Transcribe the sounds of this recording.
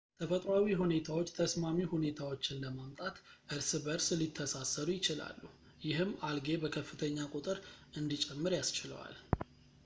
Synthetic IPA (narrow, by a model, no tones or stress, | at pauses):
t̪ʰəfət̪ʼɾawiɦune̞t̪ʰawo̞t͡ʃːt̪ʰəsmamihune̞t̪ʰawo̞t͡ʃːɪnləmamt̪ʼat̪ʔɨɾsɨbəɾslit̪ʰːəsasːəɾujɪt͡ʃɪla̰lːu | jɪɦɨmːalɡe̞bəkʰəfːɨt̪ʰəɲːakʼut̪ʼɨɾʔɨnd̪it͡ʃʼɛmːɨɾjast͡ʃɪlə̰wa̰l